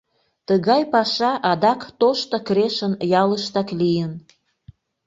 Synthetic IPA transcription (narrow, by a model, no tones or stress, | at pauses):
t̪əɣɑjpɑʃɑʔɑd̪ɑkt̪oʃt̪okɾeʃənjɑləʃt̪ɑklijən